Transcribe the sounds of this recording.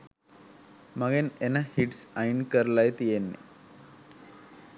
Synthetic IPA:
mɐɡɐnenɐhiʈsɐjɳkɐɾlajt̪ijenːḛ

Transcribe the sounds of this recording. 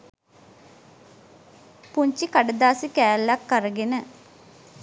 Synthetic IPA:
puɲt͡ʃikaɖəd̪aːsikæːlːakːəɾəɡenə

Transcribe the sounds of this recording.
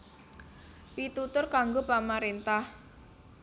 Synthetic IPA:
pit̪ut̪ʊrkaŋɡopamaɾent̪ah

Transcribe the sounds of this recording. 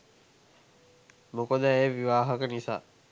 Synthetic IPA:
mokod̪əeːʋiʋaːɦəkənisa̰ː

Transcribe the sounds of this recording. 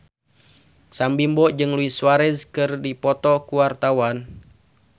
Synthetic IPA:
sambimbɔʔd͡ʒɨŋluiswaɾɛzkɨrdipɔt̪ɔkuwart̪awan

